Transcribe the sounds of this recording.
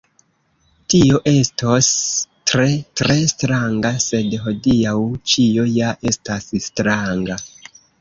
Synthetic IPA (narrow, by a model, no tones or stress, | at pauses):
tio̞ʔe̞stostɾe̞tɾe̞stɾaŋɡase̞dɦo̞diawt͡ʃio̞jaʔe̞stasstɾaŋɡa